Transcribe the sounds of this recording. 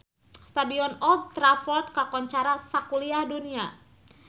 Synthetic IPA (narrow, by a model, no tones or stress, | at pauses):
st̪adiɔnɔɡ̚t̪ɾafɔrt̪̚kakɔɲt͡ʃaɾasakuliahdunia